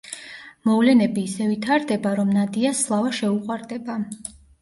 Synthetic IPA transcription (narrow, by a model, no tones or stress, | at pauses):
mɔvlɛnɛbiːsɛvit̪ʰaɾd̪ɛbaɾɔmnad̪iaslˠavaʃɛuqʼwaɾd̪ɛba